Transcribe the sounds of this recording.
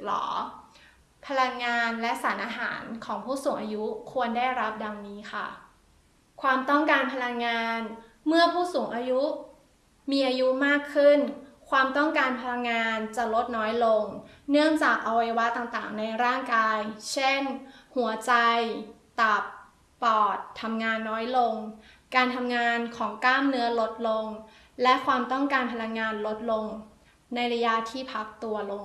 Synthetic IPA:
lɔ̰ː˩˦ | pʰa˧la˧ŋːaː˧nlɛ˦˥ʔsaː˩˦nʔaː˧ɦa̰ː˩˦nkʰɔː˩˦ŋpʰuː˥˩suː˩˦ŋʔaː˧ju˦˥kʰu˧əndaː˥˩jɾa˦˥p̚da˧ŋniː˦˥xʰa̰˥˩ | kʰwaː˧mt̪ɔ˥˩ŋkaː˧npʰa˧la˧ŋːaː˧n | mɯ˥˩ɐpʰuː˥˩suː˩˦ŋʔaː˧ju˦˥ | miː˧ʔaː˧ju˦˥maː˥˩kʰːɯ˥˩nkʰwaː˧mt̪ɔ˥˩ŋkaː˧npʰa˧la˧ŋːaː˧nt͡ɕa˨˩lo˦˥t̪̚nɔː˦˥jlo˧ŋnɯ˥˩əŋt͡ɕaː˨˩k̚ʔa˧wa˧jwa˦˥t̪aː˨˩ŋt̪a̰ː˨˩ŋna˧jɾaː˥˩ŋkaː˧jt͡ɕʰe˥˩nhu˩˦ɐt͡ɕa˧jt̪a˨˩pː | ɔː˨˩t̪ʰːa˧mŋaː˧nːɔː˦˥jlo˧ŋ | kaː˧nt̪ʰa˧mŋaː˧nkʰɔː˩˦ŋklaː˥˩mnɯ˦˥ɐlo˦˥t̪̚lo˧ŋ | lɛ˦˥ʔkʰwaː˧mt̪ɔ˥˩ŋkaː˧npʰa˧la˧ŋːaː˧nlo˦˥t̪̚lo˧ŋ | na˧jɾa˧ja˦˥t̪ʰiː˥˩pʰa˦˥k̚t̪u˧ɐlo˧ŋ

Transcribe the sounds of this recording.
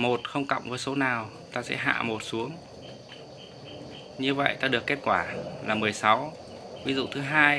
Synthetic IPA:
mo˨˩t̚xə˧wŋ͡mka̰˧˨wŋ͡mvəː˨˦jso˨˦naː˨˩w | t̪aː˧sɛ̰˧˥ɦa̰ː˧˨mo˨˩t̚su˨˦əŋ | ɲɨ˧və̰˧˨jt̪aː˧ɗɨ˨˩əkːe˦˥t̚kwaː˧˩laː˨˩mɨ˨˩əjsa˨˦w | vi˨˦zṵ˧˨t̪ʰɨ˨˦ɦaː˧j

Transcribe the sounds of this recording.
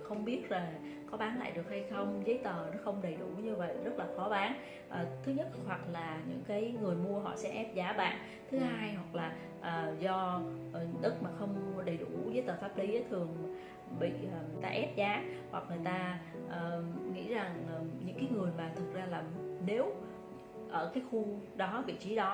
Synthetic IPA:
xə˧wŋ͡mɓi˦˥ət̚zaː˨˩ | kɔ˨˦ɓaː˨˦nla̰ː˧˨jɗɨ˨˩ək̚ha˧jxə˧wŋ͡mzəː˨˦jt̪əː˨˩nɔ˨˦xə˧wŋ͡mɗə˨˩jɗu˧˩ɲɨ˧və̰˧˨jzə˦˥t̚laː˨˩xɔ˨˦ɓaː˨˦n | ʔəː˨˩t̪ʰɨ˨˦ɲə˦˥t̚ɦwa˨˩k̚laː˨˩ɲɨ̰˧˥ŋkaː˨˦jŋɨ˨˩əjmu˧əɦɔ̰˧˨sɛ̰˧˥ʔɛ˦˥p̚zaː˨˦ɓa̰ː˧˨n | t̪ʰɨ˨˦haː˧jhwa˨˩k̚laː˨˩ | ʔəː˨˩zɔ˧ʔɗɨ˦˥k̚maː˨˩xə˧wŋ͡mɗə˨˩jɗṵ˧˩vəː˨˦jt̪əː˨˩faː˦˥p̚li˨˦ʔə˨˦jt̪ʰɨ˨˩əŋ | ɓḭː˧˨˩t̪a̰ː˧ʔɛ˦˥p̚zaː˨˦hwa˨˩k̚ŋɨ˨˩əjt̪aː˧ | ʔəː˨˩ŋḭ˧˥za˨˩ŋʔɲɨ̰˧˥ŋkaː˨˦jŋɨ˨˩əjmaː˨˩t̪ʰɨ˨˩k̚zaː˧laː˨˩ne˨˦w | ʔəː˧˩kaː˨˦jxu˧ɗɔ˨˦vḭ˧˨t͡ɕi˨˦ɗɔ˨˦

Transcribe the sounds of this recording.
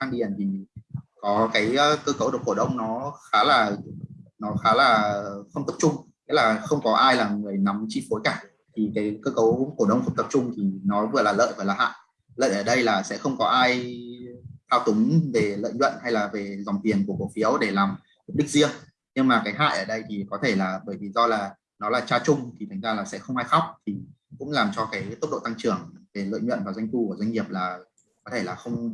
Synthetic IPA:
xaː˧ŋɗi˨˩ənt̪ʰi˨˩kɔ˨˦kaː˨˦jkəː˧kə˨˦wɗɨ˨˩ko˧˩ɗə˧wŋ͡mnɔ˨˦xaː˨˦laː˨˩ | nɔ˨˦xaː˨˦laː˨˩xə˧wŋ͡mt̪ə˨˩p̚t͡ɕʊ˧ŋ͡mɲi˨˧˥tlaː˨˩xə˧wŋ͡mkɔ˨˦ʔaː˧jlaː˨˩ŋɨ˨˩əjna˨˦mt͡ɕḭ˧˨fo˨˦jkaː˧˩ | t̪ʰi˨˩kaː˨˦jkəː˧kə˨˦wko˧˩ɗə˧wŋ͡mxə˧wŋ͡mt̪ə˨˩p̚t͡ɕʊ˧ŋ͡mt̪ʰi˨˩nɔ˨˦vɨ˧˩laː˨˩lə̰ː˧˨jvəː˧˩laː˨˩ɦa̰ː˧˨j | lə̰ː˧˨jʔəː˧˩ɗə˧jlaː˨˩sɛ̰˧˥xə˧wŋ͡mkɔ˨˦ʔaː˧j | t̪ʰaː˧wt̪ʊ˨˦ŋ͡mve˨˩lə̰ː˧˨jɲwə̰˧˨nha˧jlaː˨˩ve˨˩zɔ˨˩nt̪i˨˩ənku˧˩əko˧˩fi˨˦əwɗe˧˩laː˨˩m | hu˨˩ɗɨ˦˥k̚zi˧əŋ | ɲɨ˧ŋmaː˨˩kaː˨˦jɦa̰ː˧˨jʔəː˧˩ɗə˧jt̪ʰi˨˩kɔ˨˦t̪ʰe˧˩laː˨˩ɓəː˧˩jvi˨˩zɔ˧laː˨˩ | nɔ˨˦laː˨˩t͡ɕaː˧t͡ɕʊ˧ŋ͡mt̪ʰi˨˩a˨˩ŋ̟zaː˧laː˨˩sɛ̰˧˥xə˧wŋ͡mʔaː˧jxa˦˥wk͡p̚t̪ʰi˨˩ | kʊ̰˧˥ŋ͡mlaː˨˩mt͡ɕɔ˧kaː˨˦jt̪ə˦˥k͡p̚ɗo̰˧˨t̪a˧ŋt͡ɕɨ˧˩əŋve˨˩lə̰ː˧˨jɲwə̰˧˨nvaː˨˩za˧jŋ̟t̪u˧ku˧˩əza˧jŋ̟ŋi˨˩əp̚laː˨˩ | kɔ˨˦t̪ʰe˧˩laː˨˩xə˧wŋ͡m

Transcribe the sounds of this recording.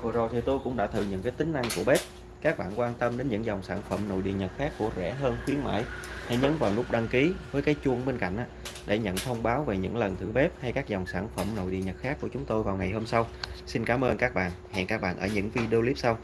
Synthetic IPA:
vɨ˨˩zo˨˩jt̪ʰi˨˩t̪o˧jkʊ̰˧˥ŋ͡mɗa̰ː˧˥t̪ʰɨ̰˧˨˩ɲɨ̰˧˥ŋkaː˨˦jt̪ï˨˦ŋ̟na˧ŋku˧˩əɓe˦˥p̚ | kaː˦˥k̚ɓaː˧˨nkwaː˧nt̪ə˧mɗe˨˦nɲɨ̰˧˥ŋzɔ˨˩wŋ͡msaː˧˩nfə˧˩mno̰˧˨jɗḭ˧˨əɲə˨˩t̚xaː˦˥kːu˧˩əzɛ̰˧˩ɦəː˧nxwi˨˦ənma̰ː˧˥jha˧jɲə˨˦nvaː˨˩wlʊ˦˥k͡p̚ɗa˧ŋki˨˦vəː˨˦jkaː˨˦jt͡ɕu˧əŋɓe˧nka̰˧˨jŋ̟ʔa̰ː˧˩ɗe˧˩ɲə̰˧˨nt̪ʰə˧wŋ͡mɓaː˨˦wve˨˩ɲɨ̰˧˥ŋlə˨˩nt̪ʰɨ˧˩ɓe˦˥p̚ha˧jkaː˦˥k̚zɔ˨˩wŋ͡msaː˧˩nfə˧˩mno̰˧˨jɗḭ˧˨əɲə˨˩t̚xaː˦˥kːu˧˩ət͡ɕʊ˨˦ŋ͡mt̪o˧jvaː˨˩wŋa˨˩jɦo˧msa˧wsi˧nkaː˨˦mʔəː˧nkaː˦˥k̚ɓa̰ː˧˨nhɛ̰˧˨ŋkaː˦˥k̚ɓa̰ː˧˨nʔəː˧˩ɲɨ̰˧˥ŋvi˧ɗe˧li˦˥p̚sa˧w

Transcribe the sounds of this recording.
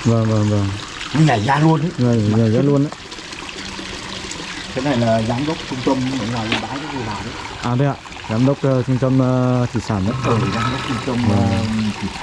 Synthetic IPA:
vəː˨˩ŋvəː˨˩ŋvə˨˩ŋ | ki˧˦zaː˧˩jzaː˧lu˧əni˨˦zzaː˨˩jzaː˧˦˥lu˧ənʔa˨˦ | k̪ʰe˨˦na˨˩jlaː˨˩zaː˨˦mɗə˦˥wk͡p̚t͡ɕʊ˧ŋ͡mt̪ə˧m˧mə̰˧˨ŋaː˨˩jzaː˧˩ɓaː˨˦zə˦˥t̚zə˨˩vaː˨˩wɗə˨˧˦ʔaː˨˩ɗə˧aː˨ | zaː˨˦mɗə˦˥wk͡p̚ːt͡ɕʊ˧ŋ͡mt̪ə˧mː˧t̪ʰi˧˩saː˧˩nə̰˧˦ə˧˩ə˨˩zaː˨˦mɗə˦˥wk͡p̚t͡ɕʊ˧ŋ͡mt̪ə˧maː˨˩t̪ʰi˨˧˩

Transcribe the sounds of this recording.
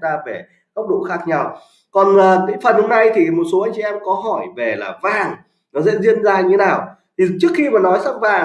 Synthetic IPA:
zaː˧ve˧˩ | kə˦˥k͡p̚ɗo̰˧˨xaː˦˥k̚ɲa˧w | kɔ˨˩nəː˨˩t̪ḭ˧˥ŋfə˨˩nho˧ŋ͡mna˧jt̪ʰi˨˩mo˨˩t̚so˨˦aː˧jŋ̟t͡ɕḭ˨˧˨ʔɛ˧mkɔ˨˦ɦɔ˧˩jve˨˩la̰ː˨˩vaː˨˩ŋ | nɔ˨˦zɛ̰˧˥zi˧ənzaː˧ɲɨ˧e˦naː˨˩w | t̪ʰi˨˩t͡ɕɨ˦˥əkxi˧maː˨˩nɔ˨˦jsa˦˥m̚vaː˨˩

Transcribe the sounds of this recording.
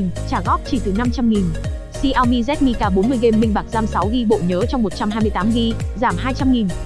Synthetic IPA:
nt͡ɕaː˧˩ɣɔ˦˥p̚t͡ɕi˧˩t̪ɨ˨˩na˧mt͡ɕa˧mŋi˨˩n | si˧ʔaː˧wmi˧zɛ˦˥t̚mi˧kaː˧˩ɓo˨˦nmɨ˨˩əjɣe˧mɓï˧ŋ̟ɓaː˨˩k̚zaː˧msa˨˦wɣi˧ɓo̰˧˨ɲəː˨˦t͡ɕɔ˧wŋ͡mmo˨˩t̚t͡ɕa˧mhaː˧jmɨ˧əjt̪aː˨˦mɣi˧zaː˧˩mɦaː˧jt͡ɕa˧mŋi˨˩n

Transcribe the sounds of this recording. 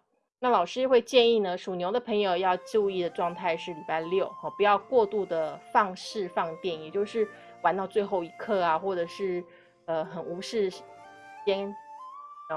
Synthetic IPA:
na˥˩lɑ˨˩ʊʂɻ̩˥xwe˥˧ɪt͡ɕjɛ˥˧ni˥˩nə˩ʂu˨˩njo˧˥d̪ə˧pʰɤ˧˥ŋjo˨˧ʊjɑ˥˧ʊt͡ɕjo˥˧ʊi˥˩d̪ə˩ʈ͡ʂwɑ˥˧ŋt̪ʰa˥˧ɪʂɻ̩˥˩li˨˩pa˥˧ɪljo˥˩ʊxɔ˥˩pu˧˥jɑ˥˧ʊkwɔ˥˧t̪u˥˩d̪ə˩fɑ˥˧ŋʂɻ̩˥˧fɑ˥˧ŋt̪jɛ˥˩njɛ˨˩t͡ɕjo˥˧ʊʂɻ̩˥˩ | wa˧˥nt̪ɑ˥˧ʊt͡swe˥˧ɪxo˥˩ʊi˧˥kʰɤ˥˩a˨˩xwɔ˥˩ʈ͡ʂɤ˨˩ʂɻ̩˥˩ | ə˧xə˨˩nu˧˥ʂɻ̩˥˩ʂ | t͡ɕɛ˥n˥˩

